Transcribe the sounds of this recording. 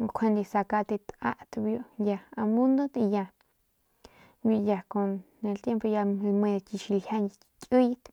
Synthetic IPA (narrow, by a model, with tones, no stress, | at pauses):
kʷʰe˧nd̪e˧˨sa˧ka˧t̪e˧t̪ʔa̰˧ʔt̪bju˧ʔja˨a˧mũ˦nd̪o˦t̪e˧ja˧ | ju˧˨ja˨ko˧nne˧˨lt̪je˦mpo˧ja˧lmẽ˧ki˧ʃi˧lha˦n˧kʲʼwi˦t̪